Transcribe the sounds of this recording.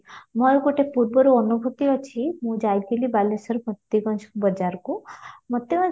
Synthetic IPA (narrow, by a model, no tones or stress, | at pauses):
mɔjkoʈepuɾbɔɾuɔnubʱut̪iɦɔt͡ʃʰimũd͡ʒajd̪̚ɡelibalesəɾmət̪ːiɡɔnsʰkbəd͡ʒaɾkumət̪ːjiɡɔn